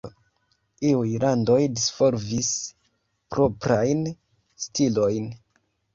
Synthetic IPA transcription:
iujlando̞jdisfo̞ɾvis | pɾʔo̞pɾajn | stilo̞jn

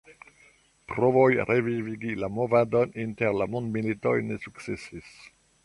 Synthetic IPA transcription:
pɾovojɾeviviɡilamovad̪ɔnint̪eʁlamonmilit̪ojnesuksesis

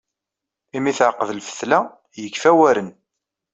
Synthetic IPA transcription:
imiθʕəqːəðlfə̥θlæ | jəkːfæwæɾən

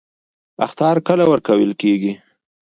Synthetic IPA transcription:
a̰xt̪ɑɾkəlawəɾkawəlkeɡi

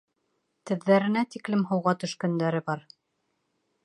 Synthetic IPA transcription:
t̪ɘ̆ðːæɾɘ̆næt̪iklɘmɦɤ̆wʁɑt̪ɵ̆ʃkæ̆nd̪æɾɘbɑɾ

